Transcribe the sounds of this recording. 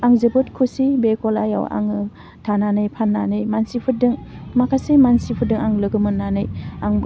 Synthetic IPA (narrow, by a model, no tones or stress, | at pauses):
aŋzɯbɯtkʰusibekɔla̰ja̰wa̰ŋɯ | tʰananɯjpʰanːanɯjmansipʰɯdɯŋmakʰasemansipʰɯdɯŋaŋlɯɡɯmɯnːanɯjaŋ